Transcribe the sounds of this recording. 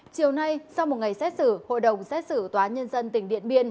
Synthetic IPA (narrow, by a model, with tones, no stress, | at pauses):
t͡ɕi˨˩əwna˧jsa˧wm˨˩t̚ŋa˨˩jsɛ˦˥t̚sɨ˧˩ho̰˧˨jɗə˨˩wŋ͡msɛ˦˥t̚sɨ˧˩t̪waː˨˦nɲə˧nzə˧nt̪ï˨˩ŋ̟ɗḭ˧˨ənɓi˧ən